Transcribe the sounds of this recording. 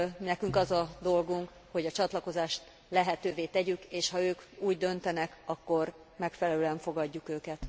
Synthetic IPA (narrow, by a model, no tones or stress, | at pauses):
nɛkyŋkɒzɒd̪o̞lɡuŋk | ho̞ɟɒt͡ʃɒt̪lɒko̞zaːʃt̪ | lɛɦɛt̪øːveːt̪ɛɟykeːʃhɒøːkuːɟd̪ø̞nt̪ɛnɛkɒkːo̞r | mɛkfɛlɛløːlɛɱfo̞ɡɒɟːukøːkɛt̪